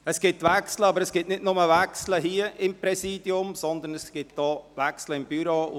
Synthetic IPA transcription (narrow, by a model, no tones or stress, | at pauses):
əsɡ̥ɪtʋɛksləɑbəɾəsɡ̥ɪtnɪdnʊməvɛksləɦiːəʔɪmpɾɛsiːdjʊmsɔnd̪ənɛsɡ̥ɪt̚d̥ɔːvɛksləɪmbyɾoː